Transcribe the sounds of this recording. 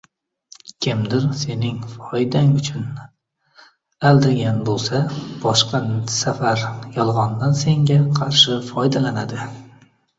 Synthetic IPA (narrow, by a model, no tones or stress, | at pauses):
kʲʰɪmd̪ɪɾse̞nɪŋfɒjd̪aŋʊt͡ʃʰʊn | ald̪ɪɾɡʲanbolˠsab̥ɒʃqɑsafaɾjɒlˠʁɒnd̪anse̞ŋɡʲaqʰɑɾʃɪfɒjd̪alana̰d̪ɪ